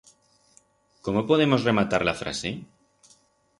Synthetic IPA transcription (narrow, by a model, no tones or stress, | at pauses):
komopo̞ð̞e̞mo̞sre̞mat̪aɾlafɾa̰se